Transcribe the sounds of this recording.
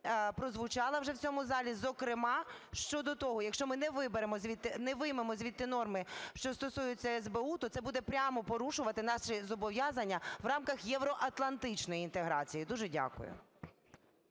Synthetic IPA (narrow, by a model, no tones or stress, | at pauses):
pɾɔzʋʊt͡ʃɑlˠɐwʒɛwt͡sʲɔmʊzɑlʲizɔkɾɪmɑʃt͡ʃɔd̪ɔt̪ɔɦɔjɐkʃt͡ʃɔmɪnɛʋɪbeɾemɔzʲʋʲit̪ːnɛʋɪjmemɔzʲʋʲit̪ːɪnɔrmɪʃt͡ʃɔst̪ɔsujʊt͡sʲːɐɛzbeut̪ɔt̪sɛbud̪ɛpɾʲamɔpɔɾuʃʊʋɐt̪ɪnɑʃɪzɔbɔʋʲjazɐnʲːɐʋrɑmkɐxjɛʋɾɔʔɐt̪lˠɐnt̪ɪt͡ʃnɔjiint̪eɦɾɑ̰t͡sʲijid̪uʒɛdʲa̰kʊ̰jʊ̰